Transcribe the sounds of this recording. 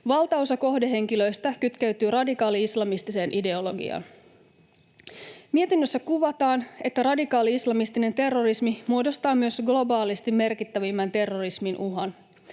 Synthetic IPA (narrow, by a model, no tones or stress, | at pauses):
ʋɑlˠt̪ɑosɑko̞hdeɦe̞ŋk̟ilø̞jst̪ækyt̪kæɥt̪yːɾɑdikɑːliislɑmist̪ise̞ːnʔide̞o̞lo̞ɡḭɑ̰n | miet̪inːøsːækuʋɑt̪ɑːne̞t̪ːærɑdikɑːliislɑmist̪ine̞nt̪e̞rːo̞rismimuodo̞st̪ɑːmyø̞sɡlo̞bɑːlist̪imːe̞rkit̪ːæʋimːænt̪e̞rːo̞risminʔuɦɑn